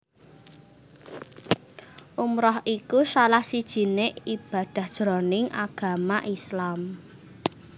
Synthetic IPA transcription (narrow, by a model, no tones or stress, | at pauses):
ʔumɾɔhikusalahsid̥ʒ̥i̤neib̥ä̤d̪̥ä̤hd̥ʒ̥ɾonɪŋʔa̰ɡ̥a̤maʔislam